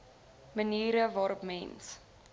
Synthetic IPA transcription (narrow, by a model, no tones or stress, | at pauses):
məniːɾəvɑːɾɔpmɛns